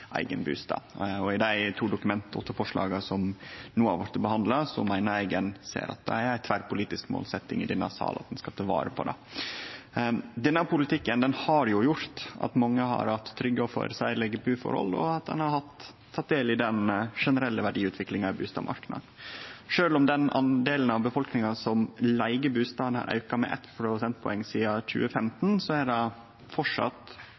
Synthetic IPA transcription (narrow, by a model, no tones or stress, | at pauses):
ʔæ̰ɪɡənbʉ̰ːst̪ɑ̰ɔɪd̪æɪt̪ʰuːd̪ʊkʉmɛnt̪ɔt̪ːəfɔʂɭɑ̰ːɡəsɔmnuːɑ̰ʋɑɾt̪ːəbəhɑnd̪ləsɔ̰mæɪnəɾɛɪɡɛnsḛːɾʔɑ̰t̪̚d̪ɛæɾæɪt̪ʰʋæɾpʊliːt̪ɪskmo̰ːlsɛt̪ːɪŋɪd̪ɛnːə̰sɑ̰ːlɑt̪d̪ɛnskɑt̪ʰɑʋɑ̰ːɾəpʰɔd̪ɛ̰ | d̪ɛnːəpʊlɪt̪ɪkːənd̪ɛnhɑɾjʊjʊɾt̪ɑ̰t̪mɑŋːəhɑ̰ɾhɑt̪ʰːɾʏɡːəɔfø̰ːɾəsæɪlɛɡəbʉːfɔ̰ɾhɔ̰lɔ̰ɑt̪̚d̪ɛ̰nhɑɾhɑt̪ʰː | ɑt̪̚d̪eːlɪd̪ɛnʂɛnəɾɛlːəʋæɖiːʉːt̪ʰʋɪklɪŋɑɪbʉːst̪ɑ̰ːmʔɑ̰ɾknɑ̰d̪ʂøːlɔmd̪ɛnɑnd̪eːlənɑʋbəfɔlknɪŋɑsɔmlæɪɡəbʉːst̪ɑːʋənhɑ̰ɾʔɑ̰ʉkɑmɛ̰ʔɛ̰t̪ːpʰɾʊsɛnt̪̚pʰɔɛŋːsiːɑc͡çʉ̰ːəfɛmt̪nsɔæɖɛ | fɔʈʂɑ̰t̪